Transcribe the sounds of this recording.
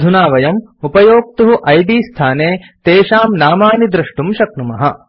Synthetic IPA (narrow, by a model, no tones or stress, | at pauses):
d̪ʱunaːʋɐjɐmupɐjoːk̚t̪uɦuʔɐjd̪iːst̪ʰaːneːt̪eːʃaːmnaːmaːnid̪ɾɐʂʈumʃɐk̚numɐɦɐ